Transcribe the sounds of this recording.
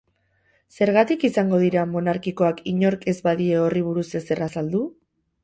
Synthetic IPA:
se̞ɾɣat̪ikisaŋɡo̞ð̞iɾamo̞naɾkiko̞akiɲo̞ɾke̞zbaðie̞o̞riβ̞uɾuse̞se̞rasald̪u

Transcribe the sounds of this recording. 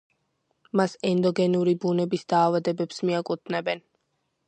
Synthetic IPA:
masɛnd̪ɔɡɛnuɾibunɛbisd̪aːvad̪ɛbɛpsmiakʼut̪ʰnɛbɛn

